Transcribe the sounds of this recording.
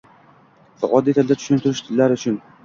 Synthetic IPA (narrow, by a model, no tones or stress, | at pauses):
fa̰ʔɒd̪et̪ʰɪld̪at̪ʰʊ̥ʃʊnt̪ʰʊɾɪʃt̪ʰɪlːaɾʊt͡ʃʰʊn